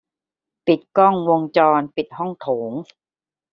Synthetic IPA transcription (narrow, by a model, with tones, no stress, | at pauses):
pi˨˩t̪̚kɔ˥˩ŋwo˧ŋt͡ɕɔː˧npi˨˩t̪̚hɔ˥˩ŋt̪ʰoː˩˦ŋ